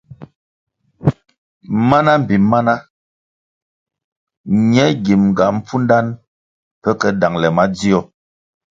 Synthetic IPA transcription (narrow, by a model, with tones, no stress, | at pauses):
ma˦na˦m̩˨bi˨˦mːa˦na˦ | ɲɛ˦ɡi˨mŋ̩˨ɡa˨m̩˦p͡fu˦nda˦n | pɛ˦kɛ˨da˨ŋlɛ˨ma˦d͡zi˦ɔ˨